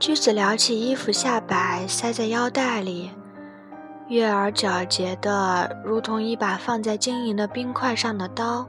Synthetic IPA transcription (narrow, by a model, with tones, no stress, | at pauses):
t͡ɕy˥˩t͡sɹ̩˨˩ljɑ˧˥ʊt͡ɕʰi˨˩i˥fu˨˧ɕja˥˩pa˨˩ɪsa˥ɪt͡sa˥˩ɪjɑ˥ʊt̪a˥˩ɪli˨˩˦ | ɥɛ˥˩ə˞˧˥ʈ͡ʂjɑ˨˩ʊt͡ɕjɛ˧˥d̪ə˧ɻu˧˥t̪ʰʊ˧˥ŋi˥˩pa˨˩fɑ˥˧ŋt͡sa˥˩ɪt͡ɕi˥ŋi˧˥nd̪ə˧pi˥ŋkʰwa˥˧ɪʂɑ˥˩ŋd̪ə˩t̪ɑ˥ʊ